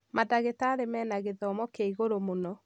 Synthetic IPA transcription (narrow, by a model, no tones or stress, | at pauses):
madaɣetaːɾemɛːnaɣeðɔmɔkeiɣoɾomonɔ